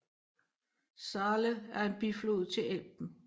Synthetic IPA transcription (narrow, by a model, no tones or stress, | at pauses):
sɑːləæɐe̝nb̥iflo̝ð̞̩̰ˠt͡sʰe̝lel̰b̥n̩